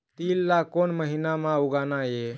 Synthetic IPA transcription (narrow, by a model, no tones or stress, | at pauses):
t̪ilːakonməɦinamãuɡanaje